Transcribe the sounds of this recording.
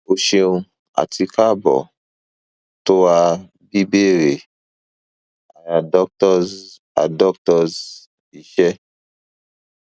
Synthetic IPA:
o˧ʃi˧ũ˧ | a̰˨ti˧ka˦bɔ̰˨ | to˦a˧ | bi˦be˦ɾe˨ | a˨ja˨dɔ˦k̚tɔ˦z | a̰˨dɔ˦k̚tɔ˧z | i˨ʃɛ˦

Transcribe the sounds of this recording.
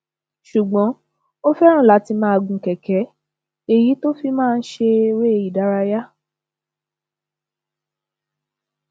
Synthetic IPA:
ʃu˨ɡ͡bɔ̃˨˦ | o˦fɛ˦ɾ̃ũ˦˨la˨˦ti˧mãː˦a˧ɡũ˧kɛ˨kɛ˨˦ | e˨ji˨˦to˦fi˦mãː˦˧n̩˦ʃe˧we˦e˧ji˨da˨˦ɾa˧ja˦

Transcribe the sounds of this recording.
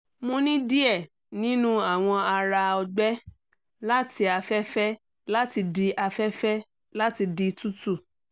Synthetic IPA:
mõ˧nĩ˦di˦ɛ˦˨ | nĩ˨˦nũ˦a˦˨w̃ɔ̃˧a˧ɾa˧ɔ˧ɡ͡bɛ˦ | la˦ti˧a˧fɛ˦fɛ˦ | la˦ti˧di˧ʔa˧fɛ˦fɛ˦ | la˦ti˧di˧tu˦tu˦˨

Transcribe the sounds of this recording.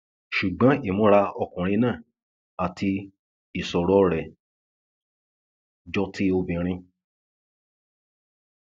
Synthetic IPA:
ʃu˨ɡ͡bɔ̃˨˦i˦˨mɔ̃˦ɾa˧ɔ˧kũ˨ɾ̃ĩ˧nãː˦˨ | a˨tʰi˧ | i˨sɔ˨ɾɔ˨˦ɾɛ˨ | d͡ʒɔ˧tʰi˧o˧bĩ˨ɾ̃ĩ˧

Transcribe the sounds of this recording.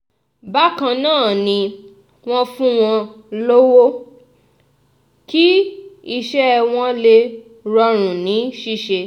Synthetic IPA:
ba˦kã˧nãː˦˨nĩ˧ | w̃ɔ̃˦fũ˦w̃ɔ̃˧ | lo˦wo˦ | ki˦i˧ʃɛ˦˧w̃ɔ̃˦le˧ | ɾɔ˧ɾ̃ũ˨nĩ˨˦ʃi˦˨ʃe˧

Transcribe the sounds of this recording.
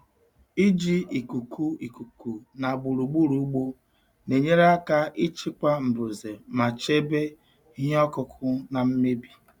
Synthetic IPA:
i˦d͡ʒi˦i˨ku˨kʰu˦i˨ku˨ku˨na˨ɡ͡bu˨ɾu˨ɡ͡bu˦ɾu˦u˦ɡ͡bo˦ | ne˨ɲe˦ɾa˦ka˦ʔi˦t͡ʃi˦ka˦m̩˨bʊ˨ze˨ma˨t͡ʃe˦be˦ | i˦ɦɔ˦kʊ˦kʰʊ˦na˨m̩˦me˦bi˨

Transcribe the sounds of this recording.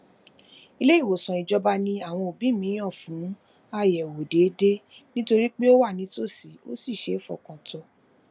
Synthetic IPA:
i˧le˦i˦˨wo˨sã˨i˨d͡ʒɔ˧ba˧nĩ˧a˦˨w̃ɔ̃˧o˨bi˨˦mĩ˨˦j̃ã˦˨fũ˨˦ | a˧jɛ˨wo˨de˨˦de˦nĩ˦to˧ɾi˦k͡pe˦o˦wa˦˨nĩ˨˦to˦˨si˨o̰˦si˦˨ʃe˨˦fɔ̰˨kã˨tɔ˧

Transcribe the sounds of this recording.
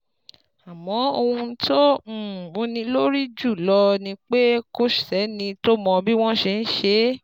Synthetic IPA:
a˨mɔ̃˨˦o˧hũ˧n̩˦tõ˦˨o˨˧nĩ˧lo˦ɾi˦d͡ʒu˦˨lɔ˧nĩ˧k͡pe˦ko˦ʃi˨ɛ˨˦nĩ˧to˦mɔ̃˧bi˦w̃ɔ̃˦ʃe˧ñ̩˦ʃe˧˦

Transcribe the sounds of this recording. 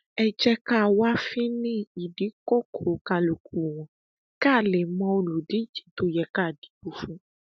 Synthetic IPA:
ɛ˨d͡ʒɛ˦ka˦˨wa˦fi˦nĩ˦i˨ɖi˨˦ko˦ko˨ka˨lu˨ku˨wɔ̃˨ | ka˦˨le˨mɔ̃˦wlu˨ɖi˦d͡ʒi̥˨t̪o˨jɛ˨ka˦˨ɖi̥˨˦bu˨fũ˦

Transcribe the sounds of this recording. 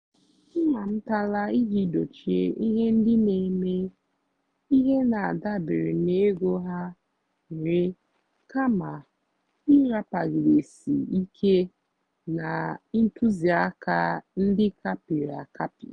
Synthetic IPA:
ŋa˨m̩˦ta˦la˦i˦ɦi˦do˨t͡ʃi˨ḛ˦ʔi˦ɦe˦n̩˦dɪ˦ne˨me˦ | i˦ɦe˦na˨a˨da˦bɪ˨ɾɪ˨ne˦ɡo˦ɦa˦˨ | ɾɪ˦ | ka˦ma˨ | i˦ɾa˦pa˨ɣɪ˨ɾe˨sḭ˨i˦kʰe˦ | na˨˦n̩˦tu˦zi˨a˦ka˦n̩˦dɪ˦ka˦pi˨ɾa˨ka˦pḭ˨

